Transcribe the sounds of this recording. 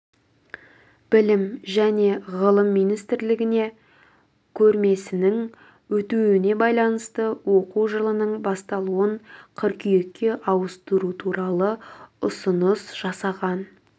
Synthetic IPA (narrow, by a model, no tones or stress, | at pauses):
b̥ɪlɪmʒæne̞ʁəlˠəmːijnijst̪ɾlɪɡʲɪne̞ | kʲʰɵɾme̞sɪnɪŋ | wɵt̪uɪne̞bɑjlˠɑnəst̪əwo̞quʒəlˠənəɴbɑst̪ɑlˠuəɴqʰəɾkʲʰʏjekʲːe̞ʔɑwəst̪əɾut̪ʰuɾɑlˠəʊsənəsʒ̥ɑsɑʁɑn